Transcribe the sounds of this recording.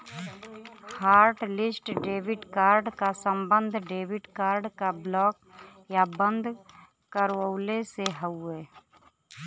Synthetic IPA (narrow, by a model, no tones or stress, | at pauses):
haːɾʈlɪsʈɖeːʋɪʈkaːɾɖkasə̃mbə̃nd̪ʱɖeːʋɪɖkaːɾɖkablɔːk | jabə̃nd̪ʱ | kəɾwəʊleseɦəeː